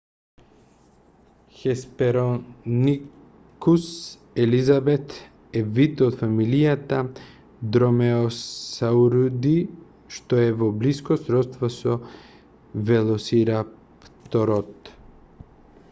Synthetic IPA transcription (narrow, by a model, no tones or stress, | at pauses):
xɛspɛɾoni | kus | ɛlizabɛt̪ | ɛvit̪ot̪familijat̪a | d̪ɾɔmɛoauɾud̪i | ʃt̪oɛvɔbliskɔsɾɔst̪vɔsɔ | vɛlˠɔsiɾa | pt̪ɔɾɔt̪